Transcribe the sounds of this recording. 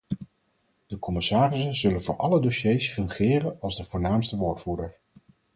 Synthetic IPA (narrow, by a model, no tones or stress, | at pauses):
d̥əkɔmɪsaːrɪsənzɵlənvʊ̰ːɹʔɑlədoʃejsfɵŋχɪːrənɑlˠzdəvʊːɹnaːmstəʋoːɹtfuːdəɹ